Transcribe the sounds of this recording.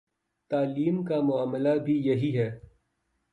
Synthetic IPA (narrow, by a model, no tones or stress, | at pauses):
t̪aːliːmkamʊaːmlabʱijɐɦiɦɛː